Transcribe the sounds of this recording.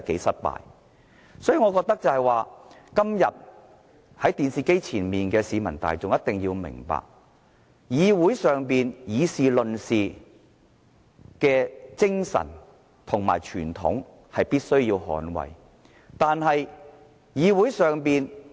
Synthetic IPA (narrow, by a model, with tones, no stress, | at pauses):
ke˨˥jsɐ˥t̚pa̰ː˨j | sɔː˨˥jyː˨˧ŋɔː˨˧kɔː˧k̚t̪ɐ˥k̚t͡sɐ˨˧hɐ˨jwaː˨ | kɐ˥mjɐ̰˨t̚ | hɐ˨˥jt̪iː˨nsiː˨ke˥jt͡sʰiː˨˩nmiː˨nkɛː˧siː˨˧mɐ˨˩nt̪a̰ː˨jt͡sʊ˨ŋjɐ˥t̚t̪ɪ˨˩ŋjiː˧wmɪ̰˨˩ŋpa̰ː˨k̚ | jiː˨˧wuː˨˥jsœː˨ŋpiː˨njiː˨˧siː˨lɵ˨nsiː˨ | kɛː˧t͡sɪ˥ŋsɐ̰˨˩n | t̪ʰʊ˨˩ŋma̰ː˨˩jt͡ʃʰyː˨˩nt̪ʰʊ̰˨˥ŋ | hɐ˨jpiː˥t̚sɵ˥ɥjiː˧wɦɔ̰ː˨˥nwɐ̰˨˩j | t̪aː˨˧nhɐ˨j | jiː˨˧wuː˨˥jsœː˨ŋpiː˨n